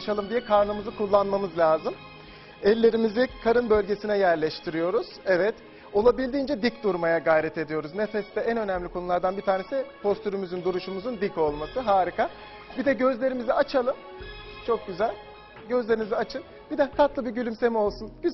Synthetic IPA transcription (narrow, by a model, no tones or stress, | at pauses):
ʃalˠɯmd̪ijɛkʰaɾnɯmɯzɯkʰulˠːanmamɯzlʲaːzɯm | ɛlʲːe̞ɾimizikʰaɾɯnbø̞lʲɟe̞sinɛjæɾlʲɛʃt̪ʰiɾijo̞ɾuz̥ɛvɛt̪ | o̞lˠabilʲd̪iːnd͡ʒɛd̪icd̪uɾmajaɡajɾɛt̪ʰe̞d̪ijo̞ɾuznefɛst̪ɛænø̞nɛmlʲikʰo̞nulˠaɾd̪anbit̪ʰaːnesipʰo̞st̪ʰyɾymyzynd̪uɾuʃumuzund̪ico̞lˠmasɯɦaːɾikʰa | bid̪ɛɟø̞zlʲe̞ɾimiziat͡ʃʰalˠɯm | t͡ʃʰo̞k̚ɟyzælʲ | ɟø̞zlʲe̞ɾimiziat͡ʃʰɯn | bid̪ɛkʰat̪lˠɯbiɟylʲymse̞mio̞lˠsunɟy